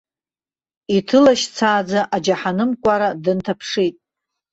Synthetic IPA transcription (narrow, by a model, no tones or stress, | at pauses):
itʰɨlaʃt͡sʰaːd͡zaʔad͡ʒaħanɨmkʷʼaɾadɨntʰapʰʂitʼ